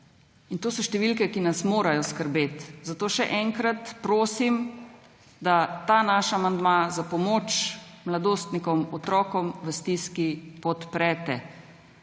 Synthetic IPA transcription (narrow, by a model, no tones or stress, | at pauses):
int̪oːsɔʃt̪ɛʋilkɛkinasmoːɾajɔskəɾbeːt̪zat̪oːʃɛʔɛŋkɾat̪pɾoːsim | d̪at̪aːnaʃaamand̪mazapɔmoːt͡ʃmlad̪oːst̪nikɔmɔt̪ɾɔːkɔmʋəst̪iskipɔt̪pɾɛːt̪ɛ